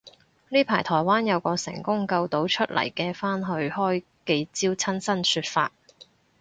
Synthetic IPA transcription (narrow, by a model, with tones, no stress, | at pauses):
niː˥pʰaː˨˩jt̪ʰɔː˨˩jwaː˥njɐ˨˧wkɔː˧sɪ̰˨˩ŋkʊ˥ŋkɐ˧wt̪o˨˥wt͡ʃʰɵ˥t̚lʔɐ̰˨˩jkɛː˧faː˥nɦɵ˧ɥhɔː˥j | ke˧jt͡siː˥wt͡sʰɐ˥nsɐ˥nsyː˧t̚faː˧t̚